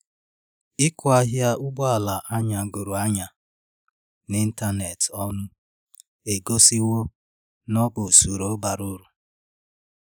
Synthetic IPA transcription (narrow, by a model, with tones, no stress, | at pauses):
ɪ˦kʊ˦a˦ɦja˦ʔʊ˦ɡ͡bɔ˦a˨la˨ʔa˦ɲa˨ɡo˨ɾu˨a˦ɲa˨ | ni˦n̩˦ta˦ne˨tɔ˦nʊ˦ | e˨ɡo˦si˦wo˦ | nɔ˦bʊ˨su˨ɾo˨˦ba˨ɾʊ˦ɾu˨